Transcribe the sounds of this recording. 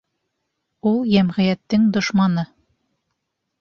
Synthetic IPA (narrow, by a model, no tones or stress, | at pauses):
ulˠjæmʁɘ̆jæt̪ːɘŋd̪ŏʃmɑnɤ